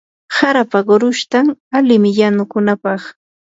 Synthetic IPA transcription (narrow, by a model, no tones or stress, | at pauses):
saɾapaɢʊɾʊʃt̪aŋalɪmɪjanʊkʊnapɑχ